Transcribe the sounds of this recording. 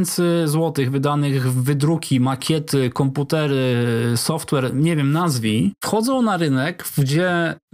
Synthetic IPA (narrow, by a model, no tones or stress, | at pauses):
nt̪sɘzwɔt̪ɘɣvɘd̪anɘɣvɘd̪ɾukʲimakʲɛt̪ɘkɔmput̪ɛɾɘsɔft̪wɛɾɲɛvʲjɛmnazvʲifxɔd̪zɔ̃w̃naɾɘnɛkɡd͡ʑɛ